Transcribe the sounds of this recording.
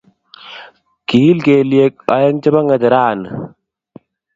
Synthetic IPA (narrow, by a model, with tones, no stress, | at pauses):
ki˦lkeː˨lie˦k̚a˨˦je˦ŋt͡ʃɪ˦ba˦ŋə˨t̪e˨ɾaː˦˨n˨